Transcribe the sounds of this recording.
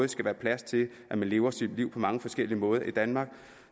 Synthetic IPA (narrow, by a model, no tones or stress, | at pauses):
ð̩ˠsɡ̥æʋæːɐpʰlæst͡sʰe̝l | ʔæmænle̝ːʊɐsid̥liʊ̰pʰɒ̽mɑ̈ŋəfɒ̽sɡ̥el̰iəmɔ̽ːð̞ˠɐʔid̥ænmɑ̈ːɡ̥̚